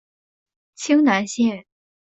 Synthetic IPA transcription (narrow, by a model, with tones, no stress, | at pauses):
t͡ɕʰi˥ŋna˧˥nɕjɛ˥˩n